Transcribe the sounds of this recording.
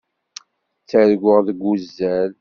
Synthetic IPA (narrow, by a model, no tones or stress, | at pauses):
t͡sːəɾɡʷəʁðəɡuzːæl